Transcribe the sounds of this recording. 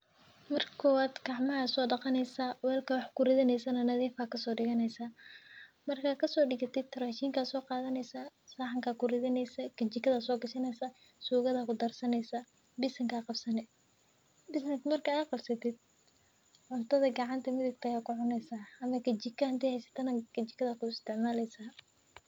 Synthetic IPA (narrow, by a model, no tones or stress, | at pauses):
mɐrkʰɔwaːd̪ɡɑʕmɐɦɐsɔːɖɑqɑnɛjsaːwɛːlkʰɐwɑħkʰʊrɪðɪnɛjsɐnɐnɐðiːfakʰɐsɔːɖɪɣɐnɛjsa | mɐrkʰaːkʰɐsɔːɖɪɣɐt̪ɪd̪t̪ʰːɐɾaːʃiːŋkaːsɔːqɑːðɐnɛjsasaːħaŋkʰaːkʰʊrɪðɪnɛjsɐkʰɐt͡ʃɪkʰːɐðɐsɔːɡɐʃɪnɛjsɐ | suːɣɐðɐkʰʊd̪ɐrsɐnɛjsɐ | bɪsɐŋkʰaːqɑbsɐnɛ | bɪsnɪsmɐrkʰɐːqɑbsɐt̪ʰɪd̪̚ | ʕʊnt̪ʰɐðɐɡɑʕɑnt̪ʰɐmɪðʊɡt̪ɐjaːkʰʊʕʊnɛjsaːɐmɐkʰɐt͡ʃɪkʰːɐhɐnt̪ʰɛːhɛjsɐ̥t̪ʰɐnɐkʰɐt͡ʃɪkʰɐðɐkʊɪst̪ʰɪʕmaːlɛjsaː